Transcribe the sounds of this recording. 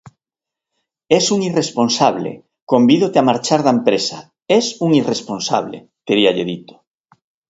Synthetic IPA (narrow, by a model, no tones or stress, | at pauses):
ɛsuŋiresponsaβ̞lḛ | kombiðot̪eamaɾt͡ʃaɾðaempɾesa̰ | ɛsuŋiresponsa̰βlḛ | t̪eɾiaʎeðit̪o̥